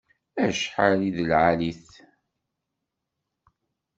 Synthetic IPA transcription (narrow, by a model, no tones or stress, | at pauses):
æʃħəliðəlʕaliθ